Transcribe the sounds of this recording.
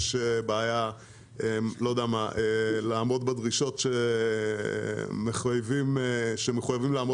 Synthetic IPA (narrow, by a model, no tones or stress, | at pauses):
ʃebaːja | elo̞d̪eamaʔelaːmo̞d̪bad̪ʁiʃo̞tʃe | meχujvimʃemeχujavimlaamo